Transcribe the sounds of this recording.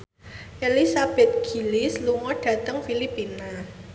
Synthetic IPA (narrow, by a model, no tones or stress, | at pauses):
ʔelisab̥ɛ̤t̪̚ɡ̥i̤lisluŋɔɖ̥ä̤t̪əŋfilipina